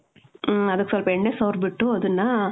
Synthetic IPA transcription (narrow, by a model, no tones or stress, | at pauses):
ɐðɯkːɯsɔlpɐɛnːesɐːɾbɪʈːʊ̃ɐðɯnːaː